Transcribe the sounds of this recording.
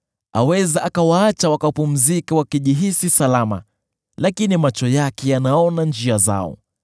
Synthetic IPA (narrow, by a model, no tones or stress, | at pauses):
a̰wɛzaʔakawaat͡ʃawakapum̩zikawakiʄiɦisisalama̰ | lakinimat͡ʃɔjakɛjanaɔnand͡ʒiaza̰ɔ̰